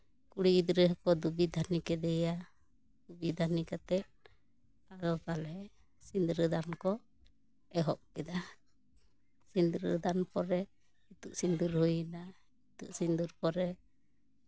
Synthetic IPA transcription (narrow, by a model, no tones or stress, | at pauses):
kuɽiid̪ɾɛɦkɔd̪ubid̪ʱanikɛd̪ɛja | d̪ubid̪ʱanikat̪ɛʔ̚ | ad̪ɔpalɦɛ | sind̪ɾəd̪ankɔ | ɛɦɔʔ̚kɛd̪a | sind̪ɾəd̪anpɔɾɛ | it̪uʔsind̪uɾhujina | it̪uʔsind̪uɾpɔɾɛ